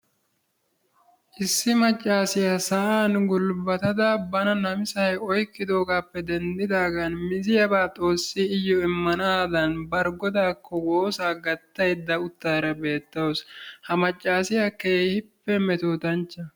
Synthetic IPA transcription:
ʔɪsːɪmɐt͡ʃʼːaːsɪjasɐʔaːnɡʊlbɐt̪ɐd̪abɐnɐnɐmɪsɐjɔjkːɪd̪o̞ːɡaːpːɛd̪ɛnd̪ɪd̪aːɡɐnmɪzɪjɐbaːt̪ʼo̞ːsːɪɪjːɔɪmːɐnaːd̪ɐnbɐɾɡɔd̪aːkːɔwoːsaːɡɐt̪ːɐjd̪ːɐʊt̪ːaːɾɐbe̞ːt̪ːɐwɔshɐmɐt͡ʃʼːaːsɪjɐkeːhɪpːɛmɛt̪oːt̪ɐnt͡ʃːɐ

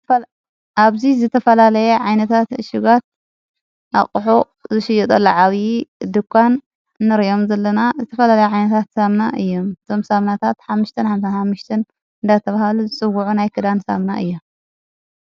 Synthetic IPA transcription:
ʔaβzizɨt̪ʰɐfɐlalɐjeʕajnɐt̪ʰat̪ɨʃɪɡat̪̚ | ʔa̰χʼħo | zɨʃɪjɛt̪ʼɐlːoʕaβid̪ɨkʰʷːanː | ɨɾjo̞mzɐlːɐnazɨt̪ʰɐfɐlalɐjɛʕajnɐt̪ʰat̪samnaʔɨjːo̞mɨt̪ʰo̞msamnat̪ʰat̪ħamːuʃt̪ʰɐnħamsanħamːuʃt̪ʰɐn | ɨnd̪at̪ʰɐβahaluzɨt͡sʼɨwuʕunajkʰɨd̪ansa̰mna̰ʔɨjːom

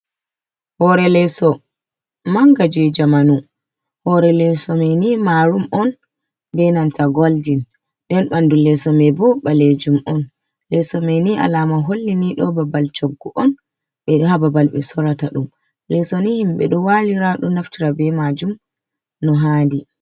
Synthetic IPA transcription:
hɔɾɛlɛsɔ | maŋɡad͡ʒɛd͡ʒamanu | hɔɾɛlɛsɔmɛnimaɾumɔn | bɛnantaɡɔldin | ɗɛnɓandulɛsɔmɛbɔɓaled͡ʒumɔn | lɛsɔmɛniʔa̰lamaɦolːiniɗɔbabalt͡ʃɔɡːɔʔɔn | ɓɛhababalɓɛsɔɾataɗum | lɛsɔnihimɓɛ̰ɗɔwaliɾaɗɔnaftiɾabɛmad͡ʒum | nɔɦandi

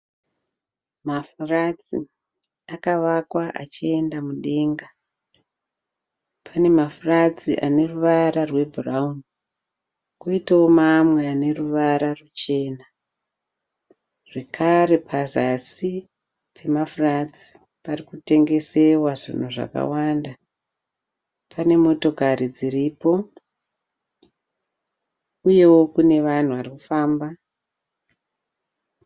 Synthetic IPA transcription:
mafurad͡zi | akaʋakwaʔa̰t͡ʃie̞ndamuɗe̞ːŋɡa | pʰane̞mafurad͡ziʔane̞ruʋaɾarwe̞bʱuraun | kuitaomamweane̞ruʋaɾarut͡ʃe̞ːna | ʐ̥e̞kʰaɾe̞pʰazasi | pʰe̞mafurat͡si̥ | parikute̞ŋɡe̞se̞waʐḭn̤uʐa̰ka̰wanda | pʰane̞mo̞to̞kaɾid͡ziriːpo̞ | uje̞wo̞kune̞ʋan̤uʋarikufaːmba

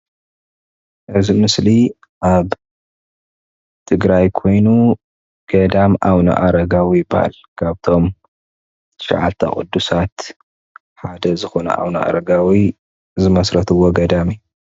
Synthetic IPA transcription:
ʔɨzimɨsli | ʔaβ | t̪ʰɨɡɾajkʰo̞jnu | ɡ̥ɐd̪amʔaβnɐ̰ʔaɾɐɡawijɪba̰ha̰l | kʰaβt̪ʰo̞m | ʃa̰ʕa̰lt̪ʰɐ̰kʼṵd̪ːusat̪ | ħad̪ɐzɨxo̞nɐ̰ʔa̰βnɐʔa̰ɾɐɡawi | zɨmɐsɾɐt̪ʰɨwːoɡɐd̪ami

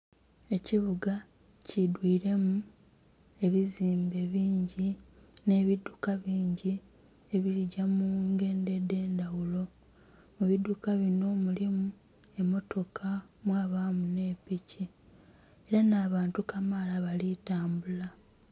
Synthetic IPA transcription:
e̞ciβuɡa | cidwiːɾe̞mu | e̞βiziːmbe̞βiːɲɟine̞ːβidːukaβiːɲɟi | eβiɾiɟamuːŋɡe̞ːnde̞de̞ːndawulo̞ | muβidːukaβino̞mulimu | e̞mo̞to̞kʰamwaːβaːmune̞ːpici | e̞ɾanaːβaːntukamalaβalitaːmbula

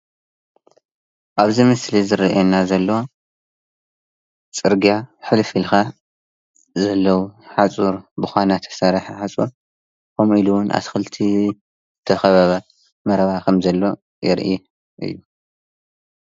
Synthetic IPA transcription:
ʔaβzimɨslizɨɾʔenːazɐlːɐwo | t͡sʼɨɾɡijaħɨlfilxa | zɐlːɐwuħat͡sʼuɾbɨxʷanat̪ʰɐ̥sɐɾħaħat͡sʼu | kʰomiluwʊnʔa̰t̪xɨlt̪ʰi | zɨt̪ʰɐxɐβɐβɐ | mɐɾɐβakʰɐmzɐlːo̞ | jɪ̰ɾʔi | ʔɨ̰jːu

